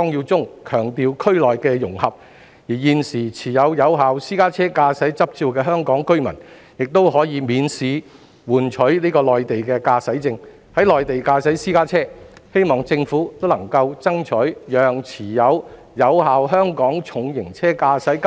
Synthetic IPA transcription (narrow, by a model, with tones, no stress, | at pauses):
ɔ˥ŋji˧wt͡sʊ˥ŋkʰœː˨˩ŋt̪iː˨˧wkʰɵ˥ɥlɔː˨jkɛː˧jʊ̰˨˩ŋhɐ˨p̚ | jiː˨˩jiː˨˧nsiː˨˩t͡sʰiː˨˩jɐ˨˧wjɐ˨˧wɦaː˨wsiː˥kaː˥t͡sʰɛː˥kaː˧sɐ˨˥jt͡sɐ˥p̚t͡siː˧wkɛː˧ɦœː˥ŋkɔː˨˥ŋkɵ˥ɥmɐ̰˨˩n | jɪ˨k̚t̪o˥wɦɔː˨˥jiː˨˧miː˨˧nsiː˨˧ | wuː˨˩nt͡ʃʰɵ˨˥ɥliː˥kɔː˧lɔː˨jt̪e˨jkɛː˧kaː˧sɐ˨˥jt͡sɪ˧ŋ | hɐ˨˥jlɔː˨jt̪e˨jkaː˧sɐ˨˥jsiː˥kaː˥t͡sʰɛː˥ | he˥jmɔː˨ŋt͡sɪ˧ŋfuː˨˥t̪o˥wlɐ˨˩ŋkɐ˧wt͡sɐ˥ŋt͡ʃʰɵ˨˥ɥjœː˨ŋt͡sʰiː˨˩jɐ˨˧w | jɐ˨˧wɦaː˨wɦœː˥ŋkɔː˨˥ŋt͡sʰʊ˨˧ŋjɪ˨˩ŋt͡sʰɛː˥kaː˧sɐ˨˥jk